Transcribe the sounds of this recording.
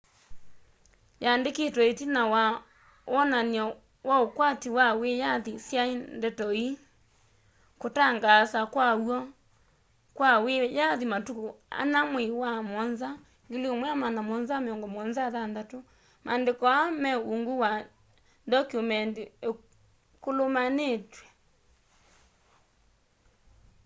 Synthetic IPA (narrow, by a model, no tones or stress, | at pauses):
jandeketwɔetinawa | naniɔ | waokwatiwawejaðisjaendɛtɔi | kotaŋɡasakwawɔ | kwawejaðimatukua̰namwewamɔnza | ŋɡeleomwɛamanamɔnzameɔŋɡɔmɔnzaðandato | mʔandekɔamɛuŋɡuwa | dɔkumɛndie | kolomanetwɛ